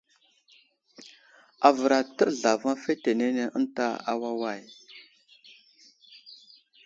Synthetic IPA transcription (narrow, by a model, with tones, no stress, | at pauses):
a˨və˨ɾa˨tə˦˨ɮa˨va˦fe˦te˨ne˦ne˦ʔə˦nta˦a̰˦wa˦wa˦˨j